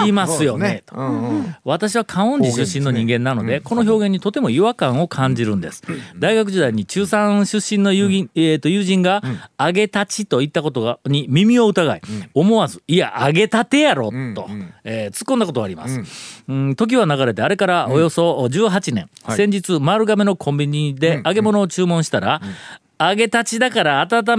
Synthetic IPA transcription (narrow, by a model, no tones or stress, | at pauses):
imasɨjo̞net̪βat̪aɕ̬iβakʰãɰ̃õ̞ɲd͡ʑiɕɨɕːĩnːo̞ɲ̟ĩŋɡẽ̞nːano̞d̪e̞ko̞no̞ço̞ːɡẽɲ̟ːit̪o̞t̪e̞mo̞iβakãɰ̃o̞kʰãɲ̟d͡ʑiɾɯ̟̃nd̪e̞sɨ̥d̪aiɡak̬ɯ̟ʑid̪aiɲ̟it͡ɕɨːsãɕɨɕːĩnːo̞jet̪ːo̞jɯːʑĩŋɡaːɡe̞t̪at͡ɕit̪o̞it̪ːako̞t̪oɲ̟imʲimʲio̞ɯt̪aɡaio̞mo̞βazɨia̰ʔaɡe̞t̪at̪e̞jaɾo̞̰o̞et͡sɨ̥kːond̪ako̞t̪oaɾima̰sɨ̥̃ | t̪o̞k̬ʲiβanaɣaɾe̞t̪e̞aɾe̞kaɾaʔo̞jo̞so̞d͡ʑɨːɦat͡ɕinẽ̞̰ŋsẽ̞ɲ̟d͡ʑit͡sɨmaɾɯ̟ɡame̞no̞kʰõ̞mbʲiɲ̟id̪e̞aɡe̞mo̞no̞ːt͡ɕɨːmõɕi̥t̪aɾa | aɡe̞t̪at͡ɕid̪akaɾaːt̪at̪̬a